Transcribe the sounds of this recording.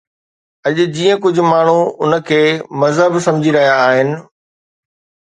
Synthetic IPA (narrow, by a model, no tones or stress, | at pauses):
ɐʄʊd͡ʑiːə̃k̬ʊd͡ʑʱʊ̆maːɳ̤uʊnəkʰeːmɐzɦəbsɐ̃md͡ʑʱiɾɐɦijaːɦɪnɪ̆